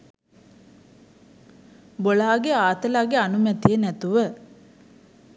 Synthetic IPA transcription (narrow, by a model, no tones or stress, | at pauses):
boɭaːɡeaːt̪əlaːɡeanumɛt̪ijənæt̪uʋə